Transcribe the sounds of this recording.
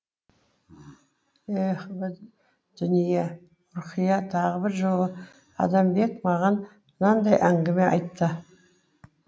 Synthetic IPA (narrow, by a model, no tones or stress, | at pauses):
eχb | d̪̥ʏnije | ʊɾqəjɑt̪ʰɑʁəbɪɾʒowˠə | ɑ̰d̪ɑmbe̞kmɑʁɑn | mənɑnd̪ɑjʔæŋɡʲɪme̞ʔɑ̰jt̪ːə